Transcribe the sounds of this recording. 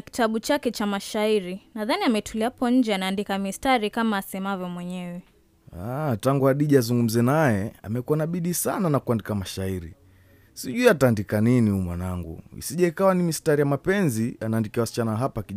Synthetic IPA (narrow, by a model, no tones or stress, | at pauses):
aki̥taɓut͡ʃakɛt͡ʃamaʃaiɾinaðaniamɛtʰuliapɔɲ̩d͡ʒɛanaːndikamistaɾikamaːsɛmavjɔmwɛɲɛwɛ | ataŋɡuhaɗiʄiazuŋɡum̩zɛnajɛa̰mɛkuanaɓiɗisa̰nanakuandikamaʃaiɾḭ | siʄuiataːndikaniniumwa̰naŋɡṵḭsiʄaikawanimistaɾijamapɛnzianaːndikiawasi̥t͡ʃanaaɦapaki